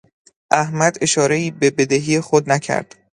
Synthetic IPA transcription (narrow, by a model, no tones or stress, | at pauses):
ʔæhmæd̪e̞ʃɒːɾe̞iːbe̞be̞d̪eɦiːjexod̪næcʰæ̰ɾd̪̥